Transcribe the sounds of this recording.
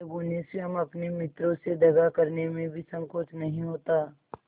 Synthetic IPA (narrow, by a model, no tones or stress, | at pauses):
bʊnɪseɦɐmɐpnemɪt̪ɾõsed̪ʱɐɡakɐɾnemẽbʱisɐ̃ŋkoːt͡ʃnɐɦĩɦoːt̪aː